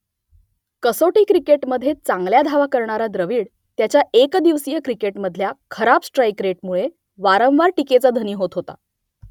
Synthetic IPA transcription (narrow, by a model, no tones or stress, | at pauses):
kəsoʈiːkɾikeʈməd̪ʱːjet͡saŋɡljad̪ʱaʋakəɾɳaɾad̪ɾəʋiːɭ | t̪jat͡ɕjaʔekd̪iʋsijəkɾikeʈməd̪ʱljakʰəɾapsʈɾajkɾeʈ̚muɭe | ʋaɾə̃ʋaɾʈiket͡sad̪ʱəniːɦot̪ɦot̪a̰